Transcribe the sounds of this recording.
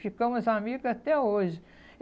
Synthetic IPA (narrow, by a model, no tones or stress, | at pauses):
fikɐ̃w̃ɐzamiɡat̪ɛoʒɪ